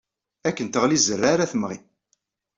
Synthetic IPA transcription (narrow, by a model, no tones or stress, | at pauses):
ækːənt̪əʁlizərːaɾaθəmʁḭ